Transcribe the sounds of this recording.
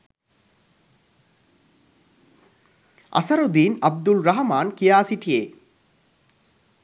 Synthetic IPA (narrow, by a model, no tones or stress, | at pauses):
ʔa̰sɐɾud̪iːnɐb̚d̪ulɾaɦɐmaːnkijaːsiʈijeː